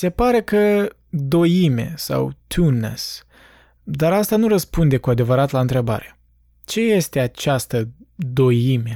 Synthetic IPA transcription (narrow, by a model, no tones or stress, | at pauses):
se̞paɾe̞kə | d̪o̞jime̞̰sa̰wt̪ʰunḛs | d̪aɾast̪anuɾəspund̪e̞kuad̪e̞vəɾat̪laɨnt̪ɾe̞ba̰ɾe̞ | t͡ʃe̞je̞st̪e̞at͡ʃast̪əd̪o̞jime̞